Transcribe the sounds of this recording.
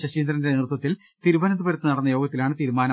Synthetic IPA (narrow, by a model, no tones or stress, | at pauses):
ɕɐɕiːnd̪ɾɐndenirɨt̪wɐt̪ːil | t̪iɾubɐnɐnd̪ubɐɾɐt̪ːɨnɐɽɐnːɐjo̞ːɡɐt̪ːilaːɳɨt̪iːɾumaːnɐ